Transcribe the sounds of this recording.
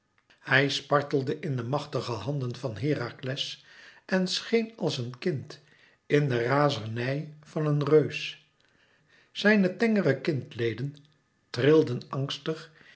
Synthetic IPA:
hɛjspɑɹtəl̩ˠdəʔɪndəmɑχtəχəɦɑndənvɑnɦɪːraːklɛsʔɛnsχejnɑlˠsənkɪnt | ɪndəraːzəɹnɛjvɑnənrøɥs | z̥ɛjnətɛŋərəkɪntlejdən | trɪlˠdənɑŋstəχ

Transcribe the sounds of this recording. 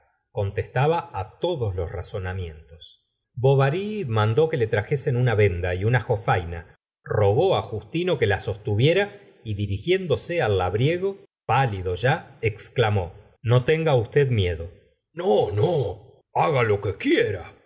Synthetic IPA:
ko̞nt̪est̪aβaːt̪o̞ðo̞slosra̰so̞namje̞nt̪o̞s | bo̞βaɾimand̪o̞ke̞le̞t̪ɾaxese̞nunaβe̞nd̪aiunaxo̞fajna̰ | ro̞ɣo̞axust̪ino̞ke̞laso̞st̪uβje̞ɾa | iðiɾixje̞nd̪o̞sealːaβɾje̞ɣo̞ | paliðo̞ʒaeksklamo̞ | no̞t̪eŋɡaust̪e̞ðmje̞ðo̞ | nono | aɣalo̞kekjeɾa

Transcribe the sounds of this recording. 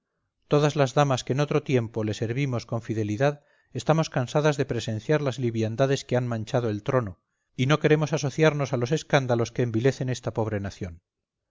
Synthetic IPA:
t̪o̞ðazlazðamaske̞ːno̞t̪ɾo̞t̪je̞mpo̞le̞se̞ɾβimo̞sko̞ɱfiðe̞liðað | e̞st̪amo̞skansaðazðe̞pɾe̞se̞nθjaɾlazliβjand̪aðe̞skeanmãnt͡ʃað̞o̞e̞lt̪ɾo̞no̞ | ino̞ke̞ɾe̞mo̞sas̬o̞θjaɾno̞salo̞se̞skand̪alo̞ske̞ːmbile̞θe̞ne̞st̪apo̞βɾe̞naθjo̞n

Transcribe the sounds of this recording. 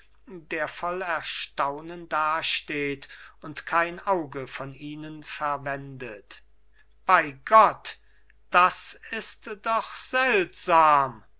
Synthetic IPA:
deːɐfɔlɛɐʃtaʊnəndaːʃteːtʊntkʰaɪnaʊɡəfɔniːnənfɛɐvɛndət | b̥aɪɡɔt | d̥asɪstd̥ɔχz̥ɛltz̥aːm

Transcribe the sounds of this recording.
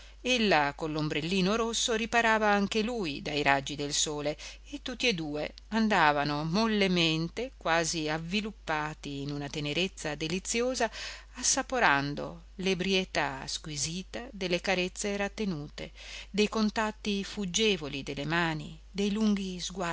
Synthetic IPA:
elːakonlːombɾelːiːnoɾosːoɾipaɾaːvaaŋkeluːjd̪ajɾad͡ʒːid̪elsoːleː | t̪ːut̪ːied̪uːḛ | and̪aːvanomolːement̪ekwaːziavːilupːaːt̪iːnunat̪eneɾet̪sːad̪elit̪sːjoːzaː | sːapoɾand̪o̰ | lebɾiet̪askwiziːt̪ad̪elːekaɾet̪sːeɾat̪ːenuːt̪ḛd̪ejkont̪at̪ːifud͡ʒːeːvolid̪elːemaːni | d̪ejluŋɡizɡwa

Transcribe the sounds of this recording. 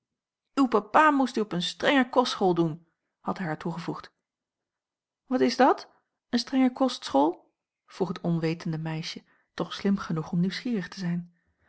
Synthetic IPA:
ywpapaːmustyɔpənstrɛŋəɹkɔstsχoːlˠdun | hɑtɦɛjɦaːɹtuχəvuχt | ʋɑtɪzdɑt | ənstrɛŋəɹkɔstsχolˠ | v̥ruχɦətɔnʋejtəndəmɛjʃə | tɔχslɪmχənuχɔmniwsχiːrəχtəzɛjn

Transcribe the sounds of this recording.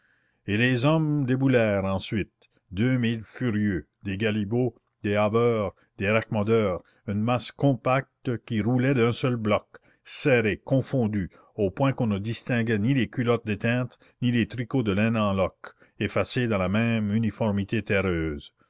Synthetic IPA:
elezɔmd̪ebulɛːʁɑ̃sɥit̪̚ | d̪ømilfyʁjø | d̪eɡalibo | d̪eabœːʁ | d̪eɾakmɔd̪œːʁ | ynmaskɔ̃pak̚t̪kʲiɾulɛd̪œ̃sœlblɔk | seɾekɔ̃fɔ̃d̪y | opwɛ̃kɔ̃nəd̪ist̪ɛ̃ɡɛnilekylɔt̪̚d̪et̪ɛ̃t̪ | nilet̪ɾikod̪əlɛ̃nɑ̃lɔk | efased̪ɑ̃lamɛ̃mynifɔʁmit̪et̪eɾøːz

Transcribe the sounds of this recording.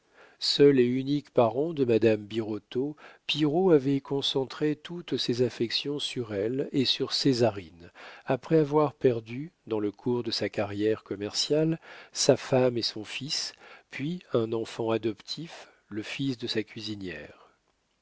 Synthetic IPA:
sœleynikpaʁɑ̃d̪əmad̪ambiʁot̪opiʁoavɛkɔ̃sɑ̃t̪χet̪ut̪sezafɛksjɔ̃syʁɛlesyʁsezaʁinapχɛavwaʁpɛʁd̪yd̪ɑ̃ləkʰuʁd̪əsakaʁjɛʁkɔmɛʁsjalsafamesɔ̃fispʰɥiɛ̃nɑ̃fɑ̃ad̪ɔpt̪ʰif | ləfisd̪əsakʲɥizinjɛ̰ːʁ

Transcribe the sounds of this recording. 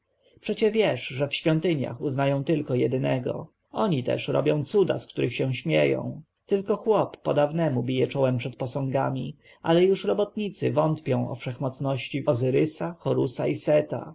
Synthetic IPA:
pʂɛt͡ɕɛvʲjɛʂʐɛfɕfʲjɔnt̪ɘɲa̰xuznajɔ̃w̃t̪ɘlkɔjɛd̪ɘnɛɡɔ̰ | ɔɲit̪ɛ̰ʂɾɔ̰bʲjɔ̃w̃t̪sud̪a̰skt̪uɾʔɘxɕɛw̃ɕmʲjejɔ̰̃w̃ | t̪ɘlkɔxwɔpːɔ̰d̪avnɛmubʲijɛt͡ʂɔwɛmpʂɛt̪̚pɔsɔ̃ŋɡa̰mʲi | ʔa̰lɛjuʂɾɔbɔt̪ɲit̪sɘ̰vɔnt̪pʲjɔ̃w̃ɔ̰fʂɛxmɔt̪snɔɕt͡ɕiɔzɘɾɘsaxɔɾusaisɛt̪a̰

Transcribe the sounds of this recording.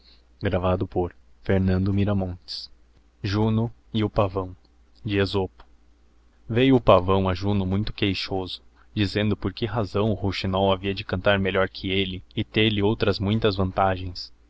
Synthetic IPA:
ɡɾavad̪ʊpoɾfeɾnɐ̃nd̪ʊmiɾɐmõnt͡ʃɪ̥s | ʒunʊ | ɪʊpavɐ̃w̃ | d͡ʒɪezopʊ̥ | vejʊʊpavɐ̃w̃aʒunʊmũj̃t̪ʊ̥kejʃozʊ | d͡ʒizẽnd̪ʊpoɾkɪɦazɐ̃w̃ʊhoʃinɔwaviɐd͡ʒɪkɐ̃nt̪aɾmelɔɾkʰɪelɪɪt̪eɾlɪowt̪ɾɐzmũj̃t̪ɐzvɐ̃nt̪aʒẽj̃s

